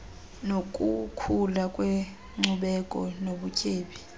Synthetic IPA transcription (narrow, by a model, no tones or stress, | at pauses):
nokʼukʰulakʼwe | ŋ͡ǀuɓɛkʼɔnoɓucʰʼeːɓi